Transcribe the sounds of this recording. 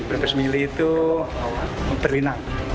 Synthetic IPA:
bɾabəsmiliːt̪u | b̥ərlinaŋ

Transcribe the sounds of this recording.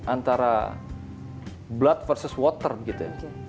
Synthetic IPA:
ant̪aɾa̰ | blat̪̚fərsəswɔt̪ərbəɡit̪uja

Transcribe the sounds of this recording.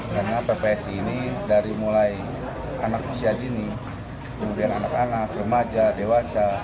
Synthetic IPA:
daŋapɛpɛɛsiːnidaɾimulai | anak̚usiad͡ʒini | kəmudiananakanak̚rəmad͡ʒadewasa

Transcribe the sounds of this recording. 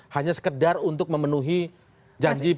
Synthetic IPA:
haɲasə̥kədarunt̪ʊk̚məmənuɦi | d͡ʒaɲd͡ʒi

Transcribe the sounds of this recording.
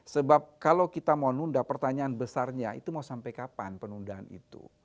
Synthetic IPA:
səbap̚kalawkit̪amawnundapərt̪aɲaːnbəsarɲaḭt̪umausampajkapa̰npənundaɦanḭt̪ṵ

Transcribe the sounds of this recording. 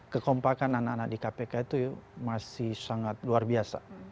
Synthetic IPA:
kəkɔmpakanananak̚dikapekait̪umasɪhsaŋat̪̚luarbiasa̰

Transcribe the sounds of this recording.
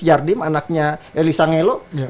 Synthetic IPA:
d͡ʒardɪmanak̚ɲaʔelisaŋelo

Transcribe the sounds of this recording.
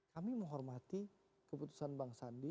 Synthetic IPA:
kamiməŋɦɔrmat̪i | kəput̪u̥sanbaŋsandi

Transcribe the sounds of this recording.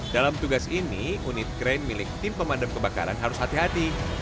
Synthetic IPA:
dalamt̪uɡasiniunɪt̪̚ɡɾajnmilɪk̚t̪ɪmpəmadamkəbaka̰ɾanɦaɾʊshat̪iɦat̪i

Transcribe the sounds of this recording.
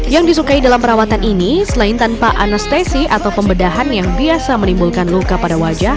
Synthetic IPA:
jaŋdisukaidalampəɾawat̪aninisəlaɪnt̪anpaʔanast̪esiʔat̪awpəmbədaɦanjaŋbiasamənimbulkanlukapadawad͡ʒah

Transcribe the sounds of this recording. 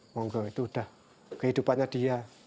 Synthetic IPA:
mɔŋɡɔit̪uːdah | kəɦidupanɲadia

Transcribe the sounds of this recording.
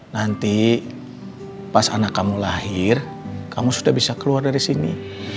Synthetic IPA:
nant̪i | pasa̰nakːamulahɪr | kamusudahbisakəluardaɾisinḭ

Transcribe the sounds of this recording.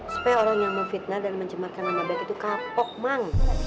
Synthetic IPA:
su̥pɛjoɾaŋjaŋməfit̪̚nadalməɲt͡ʃəmarkananabat̪it̪ukapɔk̚maŋ

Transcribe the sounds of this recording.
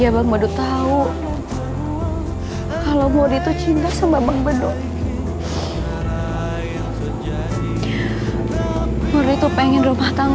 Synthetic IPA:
abaŋbəduʔt̪au | kalowmoɾit̪ut͡ʃint̪asambabaŋbədʊŋ | moɾit̪upeŋɛnrumaht̪aŋ

